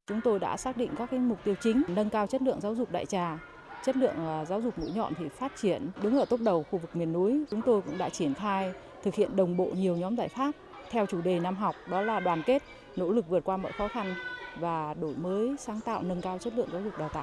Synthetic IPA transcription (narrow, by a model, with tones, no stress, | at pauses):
t͡ɕʊ˨˦ŋ͡mt̪o˧jɗa̰ː˧˥saː˦˥k̚ɗḭ˧˨ŋ̟kaː˦˥k̚ːaː˨˦ŋmʊ˨˩k͡p̚t̪i˧əwt͡ɕï˨˦ŋ̟nə˧nkaː˧wt͡ɕə˦˥t̚lɨ̰˧əŋzaː˨˦wzʊ˨˩k͡p̚ɗa̰ː˧˨jt͡ɕaː˧˩ | t͡ɕə˦˥t̚lɨ̰˧˨əŋzaː˨˦wzʊ˨˩k͡p̚mṵ˧˥jɲɔ̰˧˨nt̪ʰi˨˩faː˦˥t̚t͡ɕi˧˩ənɗɨ˨˦ŋʔəː˧˩t̪o˦˥pk͡p̚ɗə˨˩wxu˧vɨ˨˩k̚mi˨˩ənːu˨˦jt͡ɕʊ˨˦ŋ͡mt̪o˧jkʊ̰˧˥ŋ͡mɗa̰ː˧˥t͡ɕi˧˩ənxaː˧j | t̪ʰɨ˨˩k̚hḭ˧˨ənɗə˨˩wŋ͡mɓo̰˧˨ɲi˨˩əwɲɔ˨˦mzaː˧˩jxaː˦˥p̚ | t̪ʰɛ˧wt͡ɕu˧˩ɗe˨˩naː˧mɦwk͡p̚ɗɔ˨˦laː˨˩ɗwaː˨˩nke˦˥t̚ | no̰˧˥lɨ˨˩k̚vɨ˨˩t̚kwaː˧mɔ̰˧˨jxɔ˨˦xa˧nvaː˨˩ɗo˧˩jməː˨˦jsaː˨˦ŋt̪a̰ː˧˨wnə˧nkaː˧wt͡ɕə˦˥t̚lɨ̰˧˨əŋzaː˨˦wzʊ˨˩k͡p̚ɗaː˨˩t̪a̰ː˧˨